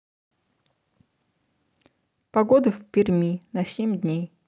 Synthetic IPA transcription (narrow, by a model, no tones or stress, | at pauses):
pɐɡod̪ɨfʲpʲɪrʲmʲinɐsʲemʲd̪ʲnʲej